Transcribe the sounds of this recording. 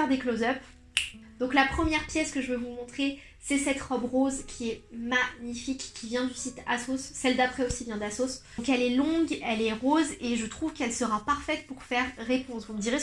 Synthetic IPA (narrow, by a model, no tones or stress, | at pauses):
ɛʁd̪eklozœp | d̪̥ɔ̃klapχəmjɛʁpjɛskəʒəvəvumɔ̃t̪χe | sɛsɛt̪ʁɔbʁozkʲʰiɛmaɲifikːʲivjɛ̃d̪ysit̪a̰sosːɛld̪apχɛosivjɛ̃d̪asoskɛlɛlɔ̃ɡɛlɛʁozeʒət̪χuvkɛlsəʁapaʁfɛt̪̚puʁfɛʁːepɔ̃svuməd̪iʁe